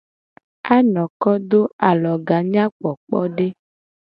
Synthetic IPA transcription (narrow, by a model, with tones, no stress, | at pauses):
a˦nɔ̃˨kɔ˦d̪o˦a˨lɔ˨ɡa˨ɲã˦k͡pɔ˨k͡pɔ˦ɖe˦